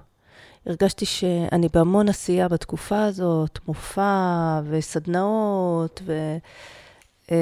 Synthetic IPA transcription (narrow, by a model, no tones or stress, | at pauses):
iʁɡaʃtiʃe̞a̰nibeamo̞nasijabat̪kufaːzo̞t̪mofave̞sad̪naot̪ve̞